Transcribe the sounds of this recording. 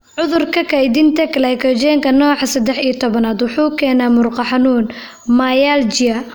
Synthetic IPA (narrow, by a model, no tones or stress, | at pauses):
ʕʊðʊrkʰɐkʰɐjd̪ɪnt̪ʰɐklɛjkʰɔd͡ʒɛːŋkʰɐnɔːħɑsɐd̪ɛħijɐt̪ʰɔβɐnaːd̪wʊħuːkʰɛːnaːmʊrqɑħɑnuːn | maːjaːlt͡ʃɪɐ